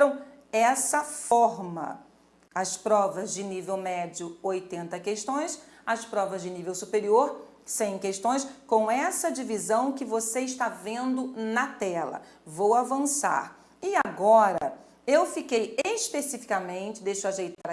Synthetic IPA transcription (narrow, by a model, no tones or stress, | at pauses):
ɐ̃w̃ | ɛsɐfɔɾmɐ̰ | ɐspɾɔvɐzd͡ʒɪnivewmɛd͡ʒiʊojt̪ẽnt̪ɐkeʃt̪õj̃s | ɐspɾɔvɐzd͡ʒɪnivewsupeɾioɾ | sẽj̃keʃt̪õj̃skõɛsɐd͡ʒivizɐ̃w̃kɪvoseɪʃt̪avẽnd̪ʊnɐt̪ɛlɐ̰ | vowavɐ̃sa̰ɾ | ɪaɡɔɾɐ | ewfikejespesifi̥kɐmẽnt͡ʃɪd̪ejʃʊaʒejt̪aɾɐ